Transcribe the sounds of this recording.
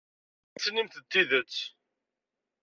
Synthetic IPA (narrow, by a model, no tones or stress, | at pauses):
æsnimθət̪ːiðət͡sː